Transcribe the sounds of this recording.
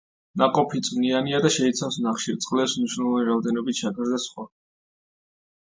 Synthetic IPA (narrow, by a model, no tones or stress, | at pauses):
naqʼɔpʰit̪sʼmnianiad̪aʃɛit̪sʰavsnaχʃiɾt̪sʼqʼlɛpsmniʃwnɛlˠɔvaniɾavd̪ɛnɔbit̪t͡ʃʰakʰzd̪asχwa